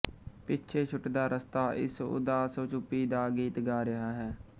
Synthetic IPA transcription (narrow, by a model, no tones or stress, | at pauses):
pɪtːʃʰeːt͡ʃʰʊʈd̪aːɾəst̪aːʔɪ̰sʊ̰d̪aːsoːt͡ʃʊpːiːd̪aːɡiːt̪ɡaːɾəɦaːɦɛː